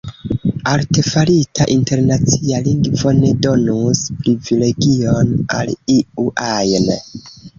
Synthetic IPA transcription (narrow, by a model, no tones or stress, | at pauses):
alte̞falitʰaʔinte̞ɾnat͡sialiŋɡvo̞ne̞do̞nuspɾivile̞ɡio̞na̰liuʔajn